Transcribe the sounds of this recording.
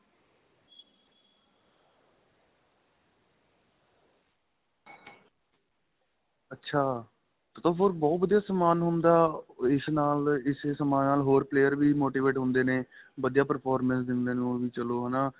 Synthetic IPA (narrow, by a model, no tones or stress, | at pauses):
ətːʃʰaː | t̪ət̪õːpʰoɾbɔːt̪̚ʋəd̪ijaːsəmaːnɦʊnd̪aːɪsnaːlɪsesəmaːnaːlɦoːɾpleːəɾʋiːmoːʈiːʋeːʈɦʊ̃nd̪eːneː | ʋəd̪ijaːpəɾpʰɔːɾmə̃nsd̪ɪnd̪eːnũːʋiːt͡ʃəloːɦənaː